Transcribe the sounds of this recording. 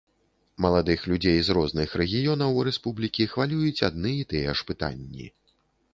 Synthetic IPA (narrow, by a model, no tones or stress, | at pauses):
mɐlˠad̪ɨxlʲud͡zʲejzɾɔznɨxɾɛɣʲijɔnɐwɾɛspublʲikʲixvalʲujut͡sʲad̪nɨit̪ɨjɛʂpɨt̪a̰nʲːḭ